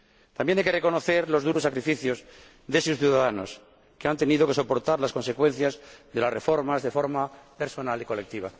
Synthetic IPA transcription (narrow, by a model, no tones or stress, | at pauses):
t̪ambje̞najkereko̞noθe̞ɾlo̞zðuɾo̞sːakɾifiθjo̞z | ðesusθjuðaðano̞̰s | keant̪e̞nið̞o̞ke̞so̞po̞ɾt̪aɾlasko̞nse̞kwẽ̞n̟θjazðe̞lasre̞fo̞ɾmazðe̞fo̞ɾmape̞ɾso̞naliko̞le̞k̚t̪iβa̰